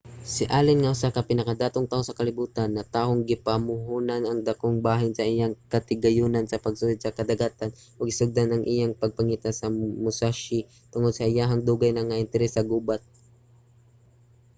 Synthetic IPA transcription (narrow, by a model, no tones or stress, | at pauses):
sɪʔaːlɪnŋɐʔʊsakɐpɪnɐkad̪aːt̪oŋt̪ahosɐkɐlɪbuːt̪anːɐt̪aːɦoŋɡɪpamʊɦuːnanɐŋd̪akʊŋbaːɦɪnsɐʔɪjaŋkɐt̪ɪɡɐjunansɐpɐɡ̚suːlɪd̪̚sɐkɐd̪ɐɡaːt̪an | ʔʊɡɪsʊɡ̚d̪anɐŋʔɪjaŋpɐɡ̚pɐŋiːt̪asɐmʊsaʃɪ | t̪ʊŋod̪̚sɐʔajaɦaŋd̪uːɡajnɐŋaʔɪnt̪ɛɾɛsɐɡuːbat̪̚